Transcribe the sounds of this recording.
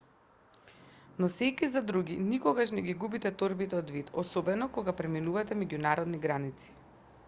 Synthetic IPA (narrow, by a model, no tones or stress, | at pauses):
nɔsɛkizad̪ɾuɡinikɔɡaʃnɛɡʲiɡubit̪ɛt̪oɾbit̪ɛɔd̪vit̪ɔsɔbɛnɔkoɡapɾɛminuvat̪ɛmɛɟunaɾɔd̪niɡɾanit̪si̥